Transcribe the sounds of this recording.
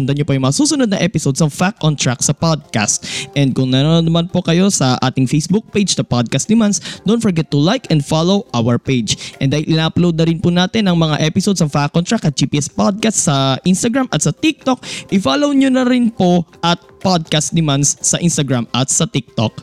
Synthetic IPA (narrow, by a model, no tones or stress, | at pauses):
ʊnd̪ɐɲopojʊŋmɐŋasuːsʊnod̪̚nɐʔɛpɪsod̪sɐŋfakʔɔnt̪ɹak̚sɐpod̪̚ka̰st̪̚ʔɛnd̪̚kʊŋnɐnoonɐmanpo̞kɐjo̞sɐʔaːt̪ɪŋfejsbuk̚pejd͡ʒsɐpad̪̚kɐst̪d̪ɪmansd̪ont̪fɔɹɡɛt̪ːʊlajkɛ̃nd̪falowʔawɐɹpejd͡ʒʔɛ̰nd̪aːhɪlʔɪnaʔɐplowd̪̚nɐɾɪnpʊnaːt̪ɪnɐŋmɐŋa̰ʔɛpɪsod̪sɐŋfakʔont̪ɹakɐt̪̚d͡ʒiːpiːʔɛspod̪̚kast̪sɐʔɪnst̪ɐɡɹamʔɐt̪sɐt̪ik̚t̪ok̚ʔɪfalowɲonɐɾɪnpoʔɐt̪̚pod̪̚kast̪̚d̪ɪmanssɐʔɪnst̪ɐɡɹamɐt̪̚sɐt̪ɪk̚t̪o̰k̚